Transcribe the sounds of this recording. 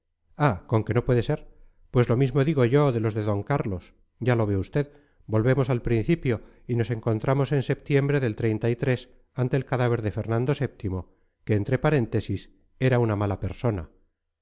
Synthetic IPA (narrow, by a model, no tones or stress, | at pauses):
ako̞ŋke̞no̞pweðe̞se̞ɾ | pwe̞zlo̞mizmo̞ðiɣo̞ʝo̞ðe̞lo̞zðe̞ðo̞ŋkaɾlo̞s | ɟ͡ʝalo̞βeust̪e̞ð | bo̞lβe̞mo̞salpɾinθipjo̞ | ino̞se̞ŋko̞nt̪ɾʔamo̞se̞nse̞p̚t̪je̞mbɾe̞ðe̞lt̪ɾe̞jnt̪ait̪ɾe̞s | ant̪e̞ːlkaðaβ̞e̞ɾðe̞fe̞ɾnãnd̪o̞se̞p̚t̪imo̞ | keːnt̪ɾe̞paɾe̞nt̪e̞sis | e̞ɾaunamalape̞ɾso̞na̰